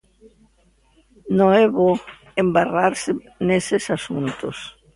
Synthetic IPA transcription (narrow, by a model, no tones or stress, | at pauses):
noɛβo | embaraɾsɪ | nesesasunt̪os